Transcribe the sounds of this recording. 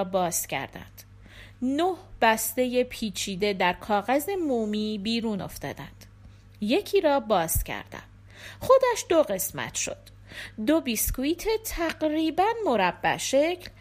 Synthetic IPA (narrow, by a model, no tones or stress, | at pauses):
bɒːscʰæ̰ɾd̪æ̰nd̪̥ | nohb̥æst̪e̞je̞pʰiːt͡ʃʰiːd̪e̞d̪æɾkʰɒːɣæze̞muːmiːbiːɾuːno̞̰ft̪ɒ̰ːd̪æ̰nd̪̥ | je̞cʰiːɾɒːbɒːscʰæ̰ɾd̪̥æ̰n | χo̞d̪æʃd̪o̞ɣe̞smæ̰t̪ʰʃo̞̰d̪̥ | d̪o̞biskuit̪ʰe̞t̪ʰæɢɾiːbænmo̞ɾæbːæ̰ʃe̞cʰl